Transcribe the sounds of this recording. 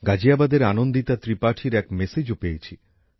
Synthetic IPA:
ɡad͡ʑiabad̪eɾanond̪it̪at̪ɾipaʈʰiɾɛkmesed͡ʑopejet͡ɕʰi

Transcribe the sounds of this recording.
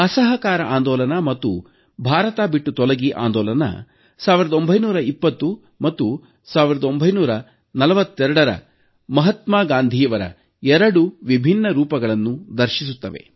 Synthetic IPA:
ɐsɐɦɐkaːɾɐʔaːnd̪ɔːlɐnamɐt̪ːu | bʱaːɾɐt̪aːbiʈːut̪ɔlɐɡiʔa̰ːnd̪ɔːlɐnɐ̰ | saːʋiɾɐd̪o̞mbʱɐjnuːɾɐipːɐt̪ːu | mɐt̪ːu | saːʋiɾɐd̪ɐo̞mbʱɐjnuːɾɐ | nɐlɐʋɐt̪ːɛɾɐɽɐɾɐ̰ | mɐɦɐt̪maːɡaːnd̪ʱijɐʋɐɾɐ̰ | ɛɾɐɽuʋibʱinːɐɾuːpɐɡɐɭɐnːud̪ɐɾʃisut̪ːɐʋe̞̰

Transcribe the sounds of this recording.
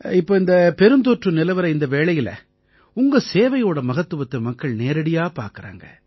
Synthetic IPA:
ɪpːoːɪnd̪ɐpɛɾɯnd̪oːʈrɯnɪlɐʋɐɾɐɪnd̪ɐʋeːɭɐjɪlɐ̰ | ʊŋɡɐseːʋɐjoːɽɐmɐɣɐt̪ːɯʋɐt̪ːɯlmɐkːɐɭneːɾɐɽɪjaːpa̰ːɾkɪɾa̰ːŋɡɐ̰

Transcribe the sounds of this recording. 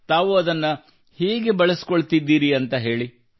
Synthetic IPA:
t̪aːʋuɐd̪ɐnːɐ | hiːɡebɐɭesi̥ko̞ɭt̪id̪ːiːɾiɐnt̪ɐɦe̞ːɭi

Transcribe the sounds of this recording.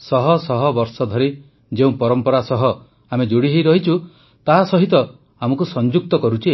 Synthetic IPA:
sɔɦɔsɔɦɔbɔɾsɔd̪ʱɔɾi | d͡ʒeũpɔɾɔmpɔɾasɔɦɔ | amed͡ʒuɽiɦejɾɔɦit͡ʃʰu | t̪aɦasɔɦit̪ɔ | amɔkusɔnd͡ʒuk̚t̪ɔkɔɾut͡ʃʰi

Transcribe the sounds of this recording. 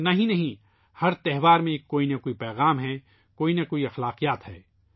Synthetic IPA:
nɐɦĩnɐɦĩ | hɐɾt̪ɛɦʋaːɾmẽkoːinɐkoːipɛːɣaːmɦɛ | koːinɐkoːiɐxlaːqijaːt̪ɦɛ̰ː

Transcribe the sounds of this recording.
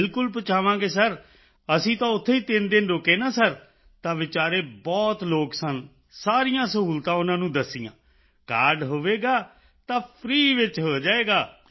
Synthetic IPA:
ɪlkʊlpət͡ʃaːʋãːɡeːsəɾ | əsĩːt̪ãːʊt̪ʰːeːiːt̪ɪnd̪ɪnɾoːkeːnaːsəɾ | t̪ãːʋɪt͡ʃaːɾeːbɔːt̪loːksən | saːɾijãːsəɦuːlt̪ãːʊnãːnũːd̪əsːɪjã̰ː | kaːɾɖɦoːʋeːɡaː | t̪ãːpʰɾiːʋɪt͡ʃɦoːd͡ʒaːeːɡaː

